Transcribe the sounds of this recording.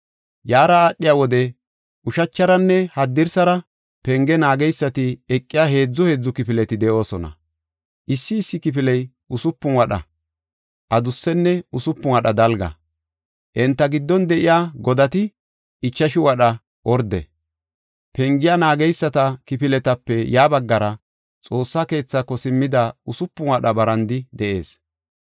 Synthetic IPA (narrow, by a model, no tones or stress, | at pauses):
jaːɾɐaːʔːɪjaːwɔd̪ɛ | ʊʃɐt͡ʃːɐɾɐnːɛhɐd̪ːɪɾsɐɾɐ | pɛŋɡɛnaːɡɛjsːɐt̪ɪɛkʼːɪjaːɦe̞ːd͡zːɔhe̞ːd͡zːʊkɪpɪlɛt̪ɪd̪ɛʔo̞ːsɔnɐ̰ | ʔɪsːɪːsːɪkɪpɪlɛj | ʔʊsʊpːʊnwɐɗɐ̰ | ʔɐd̪ʊsːɛnːɛʊsʊpːʊwɐɗɐd̪ɐlɡɐ̰ | ʔɛnt̪ːɐɡɪd̪ːɔnd̪ɛʔɪjaːɡɔd̪ɐt̪ɪ | ɪt͡ʃːɐʃɪwɐɗɐ | ʔɔɾd̪ɛ̰ | pɛŋɡɪjaːnaːɡɛjsːɐt̪ɐkɪpɪlɛt̪ɐpːɛjaːbɐɡːɐɾɐ | t͡sʼo̞ːsːake̞ːt͡sːakɔsɪmːɪd̪aʊsʊpːʊnwɐɗɐbɐɾɐnd̪ɪd̪ɛʔe̞̰ːs